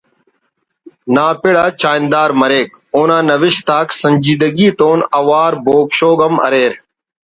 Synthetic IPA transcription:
naːpɪɽaːt͡ʃaːnd̪aːɾməɾeːk | oːnãːnəʋɪʃt̪aːksəɲʲd͡ʒiːd̪əɡiːt̪oːnəʋaːɾboːkʃoːɡəmɐ̰ɾeːɾ

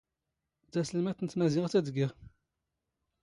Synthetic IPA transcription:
d̪æsəlmæθənət̪mæzɪʁt͡sæd̪ɡiʁ

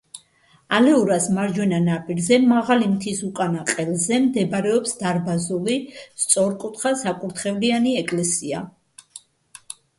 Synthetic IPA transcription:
alɛuɾasmaɾd͡ʒwɛnanapʼiɾzɛmaʁalimt̪ʰisukʼanaqʼɛlˠzɛmd̪ɛbɾɛɔpsd̪aɾbazulist̪sʼɔɾkʼut̪χasakʼuɾt̪ʰχɛvlianiɛkʼlɛsia

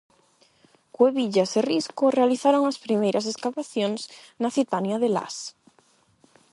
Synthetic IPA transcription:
kweβiʎaseriskorealiθaɾoŋaspɾimejɾʔaseskaβaθjõŋs | naθit̪anjaðela̰s

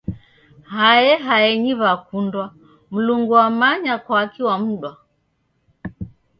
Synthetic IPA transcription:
hajɛɦaɛɲiβakundwa | m̩luŋɡuamaɲakwaːkiwam̩ɗwa

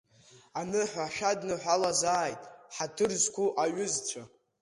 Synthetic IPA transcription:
anɨħʷᶣaʃᶣadnɨħᶣʷalazaːjtʼħatʰɨrzkʷʰuʔaɥʏzt͡ɕʷʰa

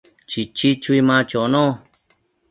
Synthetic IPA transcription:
t͡ʃit͡ʃit͡ʃuimãt͡ʃonõ

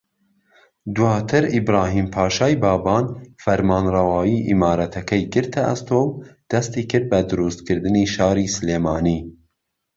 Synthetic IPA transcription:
d̪uwɑːt̪ʰɨɾibɾɑːɦiːmpʰɑːʃɑːjbɑːbɑːnfɐɾmɑːnrɐwɑːjiʔḭmɑːɾɐt̪ʰɐkʰɛjɡɨɾt̪ʰaʔa̰st̪ʰoːmd̪̥ɐst̪iːkʰɨɾd̪̚bɐd̪ɨɾust̪kʰɨɾd̪ɨniːʃɑːɾiːsleːmɑːniː

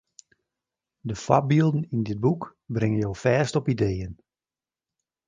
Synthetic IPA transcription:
dəfa̰bilˠdn̩indɪt̚bukbrɪŋənjowfɛːstɔpideːjən

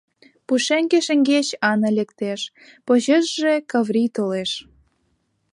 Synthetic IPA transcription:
puʃeŋɡeʃəŋɡet͡ɕɑnɤ̆lekt̪eʃ | poʑeʒʒekɑvrit̪oleʃ

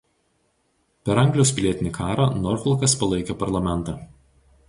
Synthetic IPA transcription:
pʲɛɾɐŋɡlʲjospʲɪlʲiɛt̪ʲɪnʲɪkʰɑːɾɑnɔɾfʲɛlˠkɐspɐlˠɐɪkʲɛpɐɾlˠɐmʲɛnˑt̪ɑː

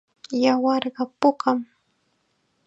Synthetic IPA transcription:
jawɑɾɢɑpʊkam

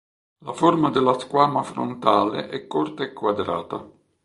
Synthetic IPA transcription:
laformad̪elaskwaːmafɾo̰nt̪aːlḛʔɛkːort̪aekːwad̪ɾa̰ːt̪a

